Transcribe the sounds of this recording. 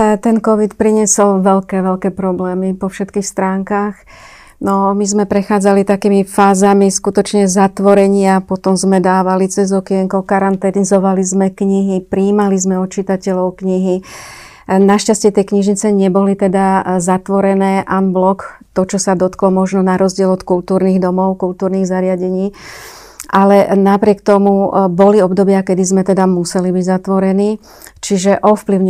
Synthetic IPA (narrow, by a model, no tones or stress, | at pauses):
t̪ɛnkɔʋit̪pɾiɲɛsɔlʋɛʎkɛːʋɛʎkɛːpɾɔblɛːmipɔfʃɛt̪kiːxst̪ɾaːŋkaːx | nɔmizmɛpɾɛxaːd͡zalit̪akiːmifaːzamiskut̪ɔt͡ʃɲɛzat̪ʋɔɾɛɲɪapɔt̪ɔmzmɛd̪aːʋalit͡sɛzɔkɛjɛŋkɔʊkaɾant̪ɛnizɔʋalizmɛkɲiɦipɾiːmalizmɛɔt̪t͡ʃit̪acɛʎɔʊkɲiɦi | naʃcascɛt̪ɛjkɲiʒɲit͡sɛɲɛbɔlit̪ɛd̪azat̪ʋɔɾɛnɛːʔanblɔkt̪ɔt͡ʃɔsad̪ɔt̪klɔmɔʒnɔnaɾɔzɟɪɛlɔt̪kult̪uːɾniːɣd̪ɔmɔʊkult̪uːɾniːɣzaɾɪaɟɛɲiː | ʔalɛnapɾɪɛkt̪ɔmubɔliɔbd̪ɔbɪakɛd̪izmɛt̪ɛd̪amusɛlibiɟzat̪ʋɔɾɛniː | t͡ʃiʒɛʔɔfpliʊɲɛ